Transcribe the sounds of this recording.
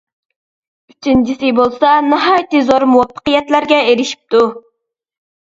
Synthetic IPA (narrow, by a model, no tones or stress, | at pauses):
yt͡ʃʰint͡ʃʰisɪbolˠsɑnɨɦɑjt̪ʰɨzoɾmuwɑpʰːə̥qəjɛt̪læɾɡʲɛeɾɪʃi̥p̚t̪ʰu